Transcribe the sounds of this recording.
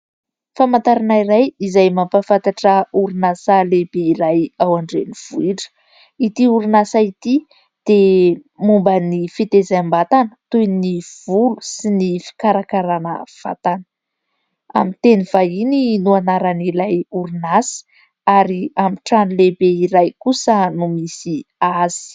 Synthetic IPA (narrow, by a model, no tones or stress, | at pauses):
famant̪aɾanaiɾajizajmampafant̪aʈ͡ʂəuɾunasalebeiɾajawaɳɖ͡ʐeniv̥uiʈ͡ʂə̥ | it̪iuɾinasait̪i | d̪̥e | mumbənifit̪ezaambat̪anə̥t̪ujniv̥ulu̥sinifi̥kaɾakaɾanə̰v̥a̰t̪anə̥ | a̰mit̪enivaininuanaɾanilajuɾinasi̥ | aɾiamiʈ͡ʂanulebeiɾajkusənumisiaz̥i̥